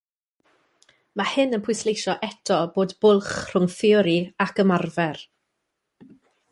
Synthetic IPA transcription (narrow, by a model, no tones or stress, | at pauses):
mahɪnənpʰʊjslˠejʃɔʔɛtʰɔboːdb̥ʊlˠχr̥ʊŋfɪʊɾiakəmarvɛr